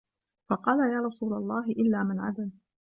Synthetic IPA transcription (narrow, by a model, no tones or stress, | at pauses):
fɑqɑːlajaːɾˤɑsuːlalˤːɑːɦɪʔɪlːaːmanʕa̰d̪al